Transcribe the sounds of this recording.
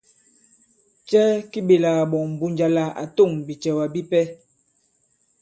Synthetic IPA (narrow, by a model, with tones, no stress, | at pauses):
t͡ʃɛ˦ki˦ɓe˨la˨ɣa˨ɓɔ˨m̩˨bu˨ɲd͡ʒa˨la˨a̰˨to˦˨ŋbi˨t͡ʃɛ˨wa˨bi˦pɛ˦